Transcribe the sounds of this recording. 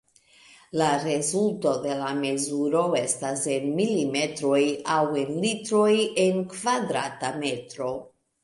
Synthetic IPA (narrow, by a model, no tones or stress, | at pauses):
laɾe̞zulto̞de̞lame̞zuɾo̞e̞stase̞nmilime̞tɾo̞jawe̞nlitɾo̞jenkvadɾatame̞tɾo̞